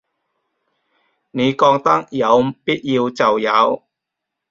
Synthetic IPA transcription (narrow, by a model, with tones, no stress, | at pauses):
ne˨˧jkɔː˧ŋt̪ɐ˥k̚jɐ˨˧wpi˥t̚jiː˧wt͡sɐ˨˩wjɐ˨˥w